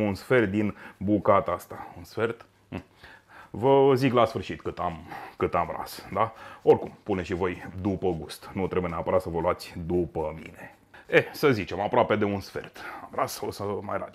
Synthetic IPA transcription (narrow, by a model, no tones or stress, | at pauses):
munsfe̞rt̪̚d̪inbukat̪ast̪aunsfe̞rt̪̩ | vəziklasfɨrʃit̪kɨt̪amkɨt̪amra̰sd̪ao̞rkumpuneʃivo̞jd̪upəɡust̪nut̪ɾe̞bujeneapəɾat̪səvəluat̪sʲd̪upəmḭne̞ | esəzit͡ʃe̞mapɾoape̞d̪e̞unsfe̞̰rt̪amrasosəmajɾa̰d̪ʲ